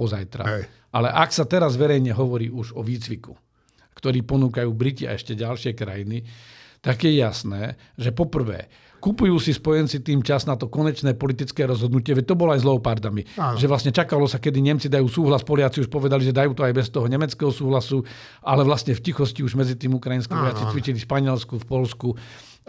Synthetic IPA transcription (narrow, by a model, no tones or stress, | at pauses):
pɔza̰jt̪ɾa̰ | ʔalɛʔaksat̪ɛɾazʋɛɾɛjɲɛɦɔʋɔɾiːuʒɔʋiːt͡sʋiku | kt̪ɔɾiːpɔnuːkajuːbɾicia̰ɛ̰ʃcɛɟalʃɪɛkɾa̰jinit̪aɡjɛjasnɛː | ʒɛpɔpr̩ʋɛ̰ː | kupujuːsispɔjɛnt͡sit̪iːmt͡ʃaznat̪ɔkɔɲɛt͡ʃnɛːpɔlit̪it͡skɛːɾɔzɦɔd̪nucɪɛʋɛc̚t̪ɔbɔlɔajzlɛɔpaɾd̪amiʒɛʋlasɲɛt͡ʃakalɔsakɛd̪iɲɛmt͡sid̪ajuːsuːɦlaspɔlɪat͡siuʃpɔʋɛd̪aliʒɛd̪ajuːt̪ɔajbɛst̪ɔɦɔɲɛmɛt͡skɛːɦɔsuːɦlasu | ʔalɛʋlast̪ɲɛfcixɔsciuʒmɛd͡zit̪iːmukɾajinskiːʋɔjat͡sit͡sʋit͡ʃilifʃpaɲɪɛlskufpɔlsku